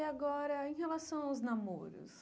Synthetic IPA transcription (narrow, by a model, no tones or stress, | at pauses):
aɡɔɾɐẽj̃helasɐ̃w̃aʊznamo̰ɾʊ̰s